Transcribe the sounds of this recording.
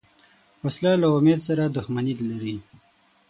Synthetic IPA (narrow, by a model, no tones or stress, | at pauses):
waslɑlaʊmed̪saɾad̪ʊxmanid̪laɾi